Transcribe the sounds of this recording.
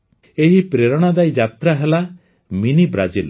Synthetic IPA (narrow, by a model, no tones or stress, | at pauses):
eɦipɾeɾɔɽ̃ad̪ajd͡ʒat̪ɾaɦela | minibɾad͡ʒil